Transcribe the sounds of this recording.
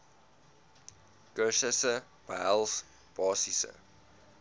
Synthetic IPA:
koʃəsə | b̥als | b̥ɑːsisə̰

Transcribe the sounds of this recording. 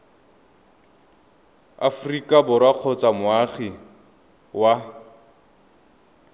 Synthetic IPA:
a̰fʊrikʼabʊɾwaq͡χʰɔt͡samʊaχi | wa

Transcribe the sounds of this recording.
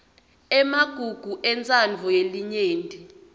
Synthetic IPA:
ɛmaɡ̥ʱuɡ̥ʱuʔɛnt͡sʼand͡vʱɔjeliɲeːndʱʼi

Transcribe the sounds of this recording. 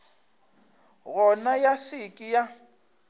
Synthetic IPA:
ɣɔnajasɪkʼija

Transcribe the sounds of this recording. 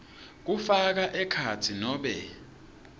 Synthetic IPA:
k̬ufak̬aʔɛkʰatʰinɔːɓɛ

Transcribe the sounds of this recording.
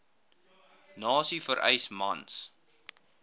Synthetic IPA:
nɑːsifəɾʔɛ̰jsmɐns

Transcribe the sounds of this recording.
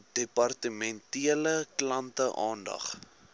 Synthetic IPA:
d̥epɐrtəmɛntiələklɐntəʔɑːndɐ̰χ

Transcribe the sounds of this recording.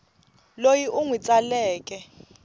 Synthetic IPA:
lojiʔuŋwit͡sʼalɛːkʼɛ

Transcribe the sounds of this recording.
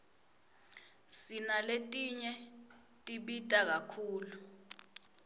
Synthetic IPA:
sinaletʼiɲɛ | tʼiɓitʼak̬akʰuːlu

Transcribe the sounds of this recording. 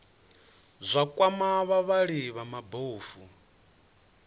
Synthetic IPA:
zʷakʼwamaβaβaɺiβamaboːfu

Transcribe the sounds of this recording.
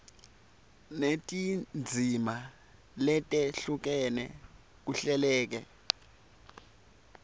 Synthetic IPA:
netʼind͡zʱima | lɛtʼɛɬuk̬ɛnɛ̰ | k̬uɬɛlɛːk̬ɛ̰

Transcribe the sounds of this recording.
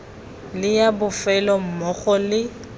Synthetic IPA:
lɪjabʊfɛlɔm̩mɔɣɔlɪ

